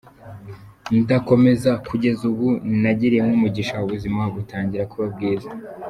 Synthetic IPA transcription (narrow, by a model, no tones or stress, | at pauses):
ndako̞me̞zakʰuɟe̞zuβunnaɟiɾijemŋomuɟiʃauβuzimaβutaːɲɟiɾakuβab̚ɡiːza